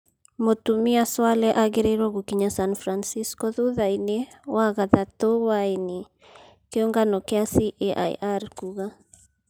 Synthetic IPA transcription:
motumiaswalɛʔaɡeɾeɾɔɣukiɲasanfɾansiskɔðuðaine | waɣaðatowaeni | keɔŋɡanɔkeasiʔeʔa̰j̰ʔarkuɣa

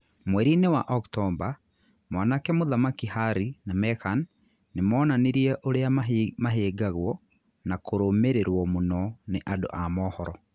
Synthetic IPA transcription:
mwɛɾinewa̰ʔɔktɔmba | mwaːnakɛmoðamakihaɾinamɛkanː | emɔːnaneɾiɛʔoɾeamaɦeːɡaɣwɔ | nakoɾomeɾeɾwɔmonɔneʔado̰ʔamɔːhɔɾɔ

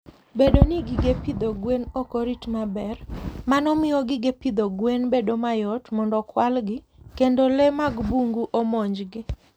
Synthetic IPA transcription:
bedoniɡɪɡepid̪oɡwenɔkoɾitmabɛrmanɔmɪjɔɡɪɡepid̪oɡwenbedomajɔtmɔndɔkwalɡɪ | kendolɛmaɡbuŋɡuʔomɔɲd͡ʒɡɪ

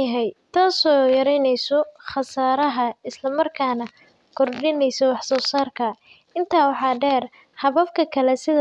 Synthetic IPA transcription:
ɐɦɛjt̪ʰaːsɔjɐɾɛjnɛjsɔχɑsaːɾɐɦɐɪslɐmɐrkʰaːnɐ | kʰɔrɖɪnɛjsɔwɑħsɔːsaːrkʰɐ | ɪnt̪ʰaːwɑħɑːɖɛːr | hɐβɐfkʰɐkʰɐlɛsɪðɐ

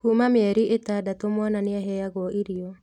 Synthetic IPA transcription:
humameɛɾiʔetadatomwananeaɦɛjaɣwɔʔiɾiɔ

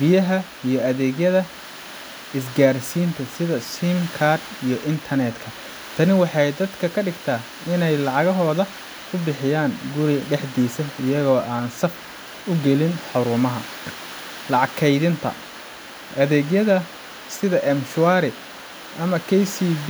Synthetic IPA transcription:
bɪjɐɦɐ | ijɞɐðɛːɣjɐðɐ | ɪsɡaːrsiːnt̪ʰɐsɪðɐsimkʰard̪ijɞʔɪnt̪ʰɐnɛd̪kʰɐ | t̪ʰɐnɪwɑħɑjd̪ɐd̪kʰɐkʰɐɖɪɡt̪ʰaː | ɪnɛjlɑʕɑɣɐɦɔːðɐ | ʊbɪħɪjaːŋɡʊɾɪɖɛħd̪iːsɐɪjɐɣɔːʔaːnsɐf | ʊɡɛlɪnħʊɾʊːmɐɦɐ̰ | lɑʕɑkʰɛjðɪnt̪ʰɐ̰ | ʔɐðɛːɣjɐðɐ | sɪðɐʔɛmʃʊaɾɪ | ʔɐmɐkʰɛjsib

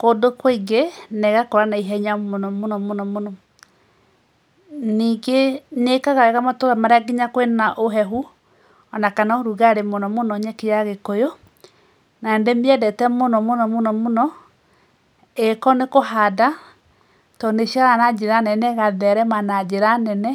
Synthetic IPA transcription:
kodokwiŋɡenɛɣakoɾanaiɦɛɲamonɔmonɔmonɔmonɔ | niːɡenekaɣaɛɣamatoɾamaɾeaɡiɲakwenaʔoɦɛɦu | ɔnakanaoɾuɣaɾemonɔmonɔɲɛkejaɣekojo | naendemiɛdɛtɛmonɔmonɔmonɔmonɔ | ekɔnekoɦada | tɔneʃiaɾanad͡ʒeɾanɛnɛɣaðɛɾɛmanad͡ʒeɾanɛnɛ

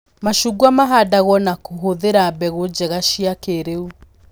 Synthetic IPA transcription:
maʃuɡwamaɦadaɣɔnakoɦoðeɾabɛɣod͡ʑɛɣaʃiakeɾeu

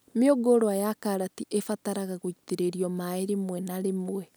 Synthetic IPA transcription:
meoɡoɾoajakaɾatiʔefataɾaɣaɣoiteɾeɾiɔmaeɾemwɛnaɾemwwɛ

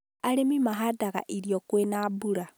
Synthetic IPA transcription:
aɾemimaɦadaɣa̰ʔiɾjokwenabuɾa

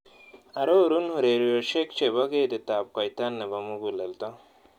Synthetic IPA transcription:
ɐɾoɾunhuɾeɾijoɕekt͡ɕebɐɡed̪et̪aːb̚kajt̪anːebɐmuɡulelt̪a

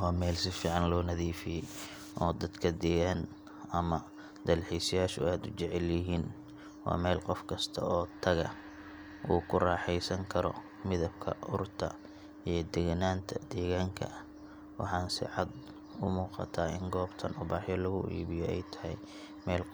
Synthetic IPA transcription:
wɑːmɛːlsɪfiːʕɑnlɔːnɐðiːfɪjɛj | ʔɔːd̪ɐd̪kʰɐd̪ɛːɣan | ɐmɐ | d̪ɐlħɛsɐjaːʃʊʔaːd̪ʊt͡ʃɛʕɛljɪɦiːn | wɑ̰ːmɛːlqɔfkʰɐst̪ʰɐ̰ɔːt̪ʰɐɣɐ̰ | ʔuːkʰʊrɑːħɛjsɐŋkʰɐɾɔ̰ | mɪðɐb̚kʰɐ̰ʊrt̪ʰɐ̰ | ijɞd̪ɛɣnaːnt̪ʰɐd̪̥ɛːɣaːŋkʰɐ̰ | wɑ̰ħɑːnsɪ̰ʕɑd̪ | ʊmuːqɑ̰t̪ʰaːɪŋɡɔːbt̪ʰɐnʊbaːħjɔlɐɣʊʔḭːβɪjɔɛjt̪ʰɐ̥hɛ̰j | mɛːl

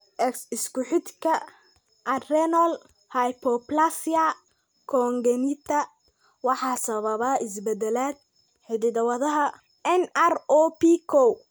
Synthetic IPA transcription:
ʔɛksɪskʊħɪd̪kʰɐ | ʔɐrɛnɔl | hɐjpʰɔplasia | kʰɔːŋɡɛnɪt̪ʰɐ | wɑħɑːsɐβɐβaɪsbɛd̪ɛlaːd̪̚ | ħɪðɪðɐwɐðɐɦɐ | ɛnɐrɔpʰikʰɔw

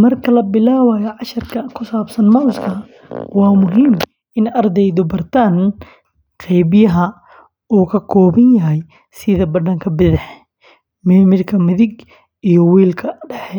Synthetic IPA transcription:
mɐrkʰɐlɐbɪlaːwaːjɐʕɑʃɐrkʰɐkʰʊsaːbsɐnmɐwskʰɐ | wɑːmʊɦiːm | ɪnɐrd̪ɛjðɔbɐrt̪ʰaːn | qɛjbɪjɐɦɐ | uːkʰɐkʰɔːβɐnjɐɦɛj | sɪðɐbɐɖɐŋkʰɐbɪðɪħ | mɛːmɪlkʰɐmɪðɪɡ | ijɔwiːlkʰɐɖɛħɛ

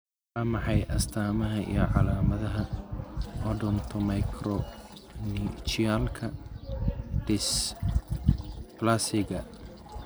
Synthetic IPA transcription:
ħaːmɑħɑjʔɐst̪ʰaːmɐɦɐʔḭjɞʕɑlaːmɐðɐɦɐ | ʔɔɖɔnt̪ʰɔmɐjkʰɾɔnit͡ʃialkʰɐ | ɖ̥ɪs | plasɪɡɐ

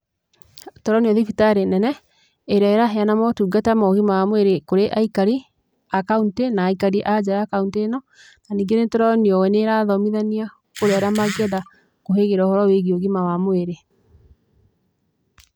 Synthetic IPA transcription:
tɔɾɔniɔðifitaɾenɛnɛ | eɾaeɾaɦeanamɔtuːɡatɛmaoɣimawamweɾekoɾeʔaikaɾi | akauntenaːikaɾiʔad͡ʑajakauntenɔ | naniːŋɡenetɔɾɔniɔwɛneɾaðɔmiðania | koɾeaɾamaɣɛða | koɦeɣeɾaɔhɔɾɔweɣioɣimawamoeɾe

